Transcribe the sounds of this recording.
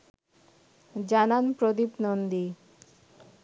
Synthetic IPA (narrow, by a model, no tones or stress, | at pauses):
d͡ʑananpɾod̪ipnond̪i